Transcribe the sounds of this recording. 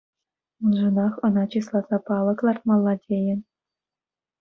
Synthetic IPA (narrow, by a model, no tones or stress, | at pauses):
unʐɤ̆nɑχɤ̆nɑt͡ɕislˠɑzɑpɑlˠɤ̆klˠɑrt̪̚mɑlˠːɑdʲejɘ̆